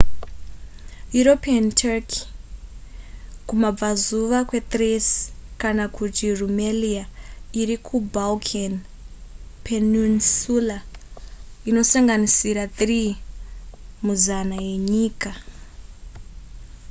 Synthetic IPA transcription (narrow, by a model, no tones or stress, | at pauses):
juɾo̞piantʰarkʰi̥ | kumab͡vazuʋakwe̞t̪resi̥kanakutirumeliaiɾikʰubalkʰan | pʰenunsula | ino̞saŋɡanisiɾatri | muzanaje̞ɲiːka